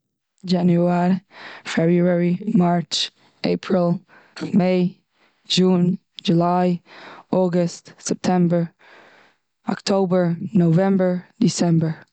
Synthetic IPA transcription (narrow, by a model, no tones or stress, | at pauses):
d͡ʒænjuɛɾifɛbɹuɛɹimaɹt͡ʃ | ʔḛɪpʰɹilˠ | meɪ | d͡ʒũn | d͡ʒulaɪʔɔɡəstsɛp̚tʰɛ̃mbə˞ | ɔ̰ktʰoʊbə˞novɛ̃mbə˞disɛ̃mbə˞